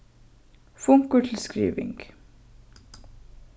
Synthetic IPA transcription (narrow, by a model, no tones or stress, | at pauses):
fʊŋkʊʈʰl̩skɾḭːʋɪ̰ŋɡ̥